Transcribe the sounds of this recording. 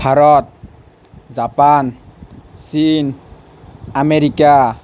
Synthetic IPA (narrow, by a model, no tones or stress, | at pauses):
bʱaɾɔt̪̚ | zapan | sin | ameɾika